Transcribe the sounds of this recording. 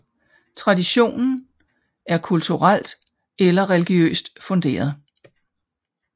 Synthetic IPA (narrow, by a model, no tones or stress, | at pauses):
t͡sʰʁɑ̈diɕo̝̰ːnn̩ | æɐkʰult͡sʰuʁal̰d̥ | elɐʁɛliɡ̥iø̰ːsd̥fɔ̽nd̥e̝̰ːɐð̞ˠ